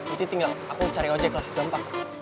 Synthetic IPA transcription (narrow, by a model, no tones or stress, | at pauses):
int̪it̪iŋaakut͡ʃaɾiɔd͡ʒɛklahɡampak